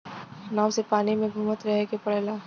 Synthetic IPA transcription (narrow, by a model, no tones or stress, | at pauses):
naːsepaːnimẽbʱuːmət̪ɾɐɦekepɐɽlaː